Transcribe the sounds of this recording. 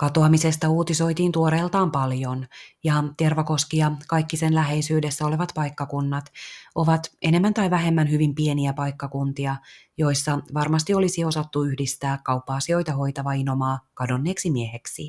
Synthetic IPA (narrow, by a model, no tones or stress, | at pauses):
kɑt̪oɑmise̞st̪ɑuːt̪iso̞jt̪iːnt̪uoɾeːlt̪ɑːmpɑljo̞njɑt̪e̞rʋɑko̞skijɑkɑjkːisenlæɦe̞jsyːde̞sːæo̞leʋɑt̪pɑikːɑkunːɑt̪o̞ʋɑt̪e̞nemːænt̪ɑjʋæɦe̞mːænhyʋimpie̞niæpɑikːɑkunt̪iɑjo̞jsːɑʋɑrmɑst̪io̞lisio̞sɑt̪ːuyhdist̪æːkkɑupːɑːsio̞jt̪ɑho̞jt̪ɑʋɑinomɑːkɑdo̞nːeːksimiehe̞ksi